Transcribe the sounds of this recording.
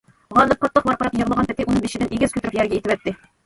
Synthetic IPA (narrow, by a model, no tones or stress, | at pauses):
ʁɑnˠɤp̚qɑt̪lˠɤqbɑɾqɑɾɑpjɤ̆ʁlˠɑʁɑnpɘ̆t̪iʔunɤbiʃɘ̆d̪ænʔiɡʲɘz̥kʉt̪ɘɾɘɪpjæɾɡʲæit̪ɘpæt̪ːɘ